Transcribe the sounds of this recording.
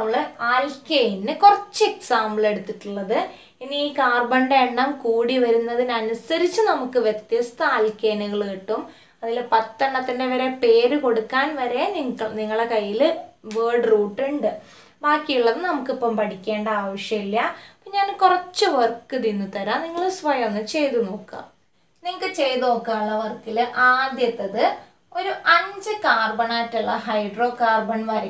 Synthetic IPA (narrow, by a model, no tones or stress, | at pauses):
ɐmːɐɭaːlkejnːɨkurɐt͡ɕːɨeksaːmɭe̞ɽut̪ːiʈːuɭːɐðɨ | inikaːrbɐɳɖeːɳɖɐmkuːɽiʋɐɾunːɐðinɐnusɐɾit͡ɕːɨnɐmukːɨʋjet̪jɐst̪ɐaːlkejnuɣɐɭeʈːum | ɐðilpɐt̪ːɐɳɖɐt̪ːinde̞ʋɐɾe̞pe̞ːɾɨko̞ɽukːaːnʋɐɾe̞niŋɐɭniŋːɐɭekɐjːilʋeːrɖruːʈːuɳɖɨ | baːkːijuɭːɐðɨnɐmukːipːɐmpɐʈikʲːe̞ːɳɖɐaːʋɐʂjɐmilːɐpoːɲaːnkurɐt͡ɕːɨʋɐrkːɨt̪inːut̪ɐɾaːniŋːɐɭɨsʋɐjonːɨt͡ɕe̞jt̪uno̞ːkːa̰m | niŋːɐkːɨt͡ɕe̞jðnoːkːaːɭːɐʋɐrkːilɨʔaːd̪jɐt̪ːɐðɨ | o̞ɾuʔɐɲd͡ʑɨkaːrbɐɳaːtːuɭːɐɦɐjɖro̞ːkaːrbɐɳʋɐɾ